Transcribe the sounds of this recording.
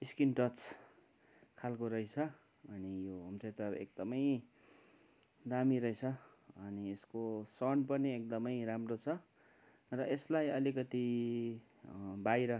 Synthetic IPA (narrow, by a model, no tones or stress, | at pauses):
iskinʈʌt͡s | kʰalkoɾʌjt͡sʰʌ | ʌnijoɦʌmset̪ʌḛk̚d̪ʌmʌj | d̪amiɾʌjt͡sʰʌ | ʌnieskosʌnpʌniek̚d̪ʌmʌjramrot͡sʰʌ | rʌeslajʌlikʌt̪i | bajɾʌ